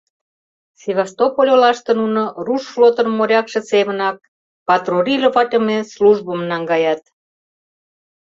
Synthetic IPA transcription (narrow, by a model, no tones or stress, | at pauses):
sʲeβɑst̪opolʲolɑʃt̪ə̆nunŏruʃflot̪ənmoɾʲɑkʃĕseβənɑk̚ | pɑt̪rorʲilovɑt̪ʲə̆mesluʒbə̆mnɑŋɡɑjɑt̪̚